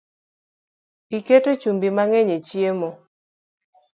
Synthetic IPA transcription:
iketot͡ʃumbimaŋɛɲet͡ʃjemo

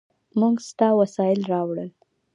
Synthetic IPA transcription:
muɡst̪ɑwasɑjɪlɾɑwɽəl

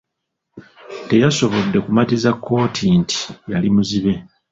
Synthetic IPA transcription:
te̞jaso̞βo̞dːe̞kumatizakʰːo̞ːtʰinti̥jalimuziβe̞

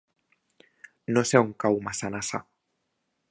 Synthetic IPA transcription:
noseuŋkawmasanasa̰

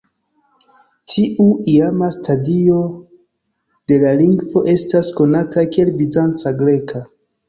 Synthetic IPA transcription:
tʰiʔuiamastadio̞ | d̥e̞laliŋɡvo̞ʔe̞stasko̞natakielbizant͡saɡɾe̞kʰa

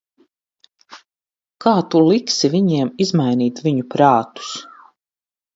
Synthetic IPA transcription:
kaːt̪ulˠiksiviɲiɛmizmajniːt̪viɲupɾaːt̪u̥s

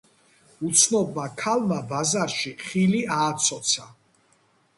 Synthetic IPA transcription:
ut̪sʰnɔbakʰalmabazaɾʃiχiliaːt̪sʰɔt̪sʰa

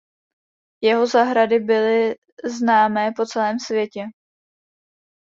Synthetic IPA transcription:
jɛɦo̞zaɦɾadɪbɪlɪ | znaːmɛːpo̞t͡sɛlɛːmsvjɛcɛ

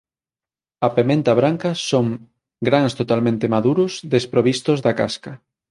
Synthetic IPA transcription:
ɐpemẽnt̪ɐβɾaŋkɐsoŋ | ɡɾaŋst̪ot̪almẽnt̪emaðuɾʊsðespɾoβist̪ʊzðɐkaskɐ

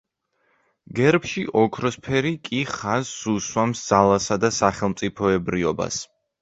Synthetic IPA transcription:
ɡɛɾpʃiʔɔkʰɾɔspʰɛɾikʼiχaz̥ːuswamsd̪z̥alˠasad̪asaχɛlˠmt̪sʼipʰɔɛbɾiɔba̰s

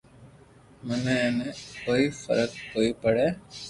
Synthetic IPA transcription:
məneenekoːifə̰ɾək̚koːipəɽeː

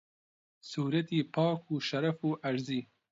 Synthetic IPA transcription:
suːɾat̪ipɑːkuʃaɾafoʔaɾzi

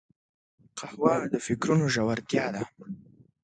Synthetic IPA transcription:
qahwɑd̪əfɪkɾunoʒawaɾt̪jɑd̪a

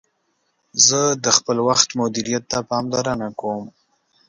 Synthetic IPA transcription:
zəd̪əxpəlwaxt̪mʊd̪iɾijat̪ːapɑmd̪aɾanakom

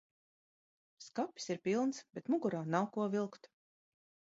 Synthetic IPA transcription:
skapʲi̥siɾpʲilˠnsbet̪muɡuɾaːnawkuɔvilˠkt̪

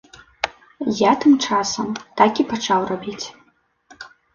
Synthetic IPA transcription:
jat̪ɨmt͡ʂasɐmt̪akʲipat͡ʂawrabʲit͡sʲ

